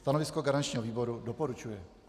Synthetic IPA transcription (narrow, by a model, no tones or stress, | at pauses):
st̪anovɪskoɡaɾant͡ʃɲiːɦoviːbo̞ɾudopoɾut͡ʃujɛ